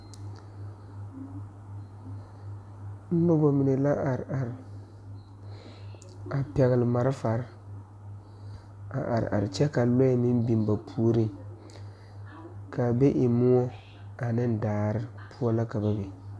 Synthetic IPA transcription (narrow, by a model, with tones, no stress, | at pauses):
n̩˦nʊ˦bo˨mi˨ne˨la˦ʔa˨ɾa˨ɾ | a˨pɛ˨ɣɪ˨lɪ˨ma˨ɾɪ˦fa˨ɾ | a̰˨ʔa̰˨ɾ̰a̰˨ɾt͡ʃɛ˦ka˨lo˦ɛ˦mi˦m˦bi˨m˦ba˨pʰuː˦ɾi˦ŋ | ka˨be˦ʔɪ˨mu˦o˦ | a˨nɪ˦n˦daː˨ɾɪ˦ | pʰu˦ɔ˦la˦ka˨ba˦be˨